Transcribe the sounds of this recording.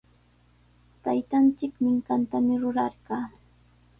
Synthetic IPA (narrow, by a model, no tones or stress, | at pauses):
t̪ajt̪ant͡ʃɪkmɪŋkant̪amɪɾʊɾɑɾɢɑː